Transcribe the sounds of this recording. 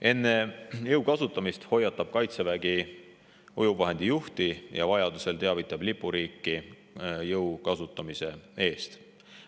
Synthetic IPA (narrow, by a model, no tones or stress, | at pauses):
ʔe̞nːe̞jɤwkɑsut̪ːˑɑmist̪ho̞jːɑt̪ˑːɑb̥kɑjt̪sevæɡi | ujuvɑɦe̞nd̪̥ijuht̪ijɑ̰vɑjɑd̪use̞lt̪e̞ɑvit̪ːˑɑb̥lipːˑuɾiːkːi | jɤwkɑsut̪ːˑɑmise̞e̞ːst̪